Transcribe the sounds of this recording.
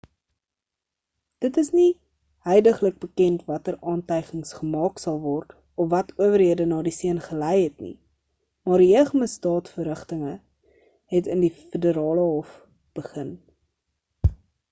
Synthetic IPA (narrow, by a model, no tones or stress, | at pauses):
d̥ətəsni | hœjdəχlək̚bəkɛntvɐtəɾɑːntəjχəŋsχəmɑːksɐlˠvɔrt | ɔfvɐtuəvəɾɦiədənɑːdisiənχəlɛjɦɛtnḭ | mɑːrɾiəχəməstɑːtfəɾəχtəŋə | ɦɛtəndifədəɾɑːləɦɔf | b̥əχən